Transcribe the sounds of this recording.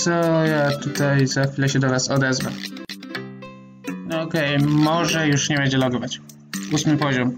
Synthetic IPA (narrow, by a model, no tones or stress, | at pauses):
sɔjat̪ut̪ajzaxfʲilɛɕɛd̪ɔvasɔd̪ɛzva̰ | ɔkɛjmɔʐɛjuʂɲɛbɛɲd͡ʑɛlɔɡɔvat͡ɕ | usmɘpɔʑɔm